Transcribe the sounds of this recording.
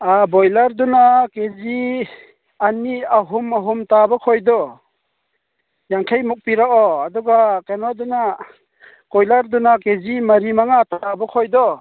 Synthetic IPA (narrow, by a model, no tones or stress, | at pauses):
abɔjlaɾdunakezi | aniaɦumaɦumtabɔkʰɔjdɔ | jaŋkʰajmuk̚piɾakɔadɔɡakanwaduna | kɔjlaɾdunakezimɐɾimaŋatbɔkʰɔjd̪ɔ